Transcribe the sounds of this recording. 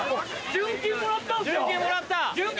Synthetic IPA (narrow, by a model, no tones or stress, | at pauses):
d͡ʑɯ̃ŋkʲemoɾat̪ːakemoɾat̪ːad͡ʑɯ